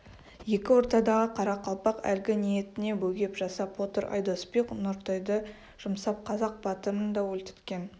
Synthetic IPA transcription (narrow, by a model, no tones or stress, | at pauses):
je̞kʲɪwo̞ɾt̪ɑd̪ɑʁəqʰɑɾɑqɑlˠpɑqæ̰lɡʲɪnije̞t̪ɪne̞bɵɡʲe̞pʒɑsɑpo̞t̪əɾʔɑ̰jd̪osbeqnʊɾt̪ojd̪ə | ʒ̥ʊmsɑp̚qʰɑzɑq̚b̥ɑt̪əɾənd̪ɑwɵlt̪ɪ̥t̪kʲe̞n